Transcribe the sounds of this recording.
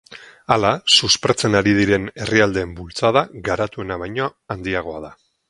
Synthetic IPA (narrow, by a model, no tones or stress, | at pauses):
alasuspeɾt͡se̞naɾið̞iɾe̞ne̞riald̪e̞ːmbult͡sað̞aɣaɾat̪ue̞naβ̞ajɲoand̪iaɣ̞o̞að̞a